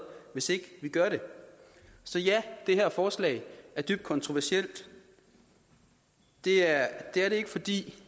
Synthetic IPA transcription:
ʋe̝se̝ɡ̥əʋiɡ̥ɶɐɾe̝ | sɒ̽jæd̥e̝hæɐ̰fɒːslɛ̰ɪæɐd̥yb̥d̥̚kʰɒ̽nt͡sʰʁoʋæɐsiel̰d̥ | d̥e̝æɐd̥e̝æɐɾe̝e̝ɡ̥fɒ̽d̥ḭː

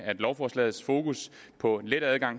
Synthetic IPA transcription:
ɐæed̥lɒʊfɒːslɛ̰ːð̞̩ˠsfo̝ːkʰuspʰɒ̽led̥æðˠɡ̥ɑ̈ŋ̰

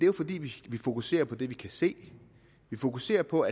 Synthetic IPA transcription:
d̥e̝æjo̝fɒ̽d̥ḭːʋiʋifo̝kuse̝̰ːɐpʰɒ̽d̥e̝ʋikʰæse̝̰ː | ʋifo̝kuse̝̰ːɐpʰɒ̽æ

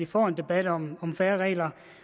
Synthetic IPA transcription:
ifɒ̰ːend̥e̝b̥æɾ̥ɒ̽mɒ̽mfæːɐʁɛ̰ːlɐ

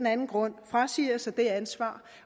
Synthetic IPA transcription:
enænn̩ɡ̥ʁɔ̽n̰fʁasiɐsɑd̥e̝ænsʋɑ̰̈ː

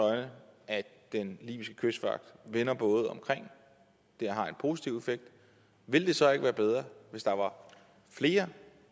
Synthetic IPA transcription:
ɒ̽ɪnəæ | d̥enlḭːb̥isɡ̥ə̥kʰøsd̥fʋɑ̈ɡ̥̚d̥ʋe̝nɐb̥ɔ̽ːð̞̩ˠɒ̽mkʰʁeŋ̰ | d̥eɐɦɑ̈e̝npʰo̝si̥t͡sʰiʊefeɡ̥̚d̥ | ʋe̝ld̥e̝sɒ̽e̝ɡ̥əʋæːɐb̥eð̞ˠʁɐʋe̝sd̥ɑ̈ʋɑ̈ | fle̝ːɐ

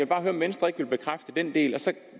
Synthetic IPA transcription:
elb̥ɑ̈ːɦøːɐɒmʋenəsd̥ʁɐeɡ̥ʋe̝lb̥e̝kʰʁafd̥əd̥end̥e̝̰ːlɒ̽sɒ̽

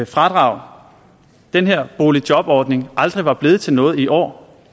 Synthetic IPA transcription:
fʁɑ̈d̥ʁɑ̈ʊ̰ | d̥enɦeɐ̰b̥o̝ːli̥jɒ̽b̥ɒːd̥ne̝ŋʔɑ̈ld̥ʁiʋɑ̈b̥le̝ð̩ˠt͡sʰe̝lnɔ̽ːð̩ˠiʔɒ̰ː

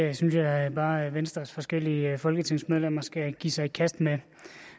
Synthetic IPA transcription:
synsjɑ̈ɪb̥ɑ̈ːʋensd̥ʁɐsfɒ̽sɡ̥el̰iəfɒ̽lɡ̥ət͡sʰe̝ŋ̰smeð̞ˠlem̰ɐsɡ̥æɡ̥ḭːsɑ̈ɪikʰæsd̥me

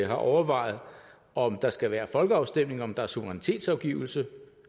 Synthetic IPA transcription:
ɦɑ̈ʔɒʊɐʋɑ̈ɪð̞̩ˠ | ɒ̽md̥ɑ̈sɡ̥æʋæːɐfɒ̽lɡ̥əɑ̈ʊsd̥em̰ne̝ŋɒ̽md̥ɑ̈æɐsuʋəʁɛnit͡sʰe̝̰ːd̥sɑ̈ʊɡ̥iʊl̩sə

